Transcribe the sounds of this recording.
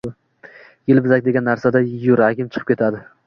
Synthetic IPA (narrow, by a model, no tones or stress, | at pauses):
jɪlbɪzakʲd̪e̞ɡʲanːaɾsad̪ajʊɾakʲɪmt͡ʃʰɨ̥qʰɨ̥pkʲe̞t̪ʰad̪ɪ